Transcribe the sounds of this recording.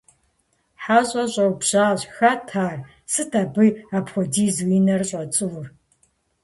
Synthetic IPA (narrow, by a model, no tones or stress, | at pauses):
ħaːɕʼɐɕʼɐwbʑaːɕxaːtʰaːr | sɨtʰaːbɨaːpxʷɔdiːzwinɐrɕʼɐt͡sʼɨwr